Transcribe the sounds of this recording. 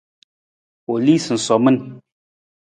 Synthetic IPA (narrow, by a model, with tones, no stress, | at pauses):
o˨li˦sɨ˨n̩˨sɔ˨mɨ˦n